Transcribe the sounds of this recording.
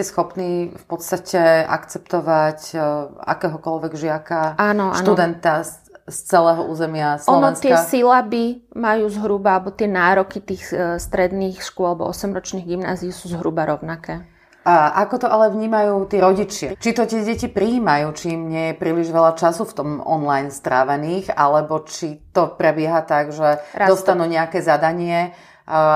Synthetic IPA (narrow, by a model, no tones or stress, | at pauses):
cɛsxɔpniːfpɔt̪st̪acɛa̰kt͡sɛp̚t̪ɔʋaca̰kɛːɦɔkɔlʋɛɡʒɪakaanɔʔa̰nud̪ɛnt̪a | st͡sɛlɛːɦɔʔuːzɛmɪaslɔɔnɔɛntsɪɛasilabimajuːzɦɾubaalɛbɔt̪ɪɛnaːɾɔkit̪iːxst̪ɾɛd̪niːxʃkuɔalɛbɔ̰ʔɔsɛmɾɔt͡ʃniːɣɡimna̰ːziusuːzɦɾubaɾɔʊnakɛː | ʔakɔt̪ɔʔalɛvɲiːmajuːt̪ɪɛɾɔɟit͡ʃɪat͡ʃit̪ɔt̪ɪɛɟɛcipɾiiːmajuːt͡ʃimɲɪɛjɛpɾiːliʒʋɛlat͡ʃasuft̪ɔmɔ̰nlajnst̪ɾaːʋɛniːxa̰lɛbɔt͡ʃit̪ɔpɾɛbɪɛɦat̪aɡʒɛɾad̪ɔsst̪anuːɲɛakɛzad̪aɲɪɛ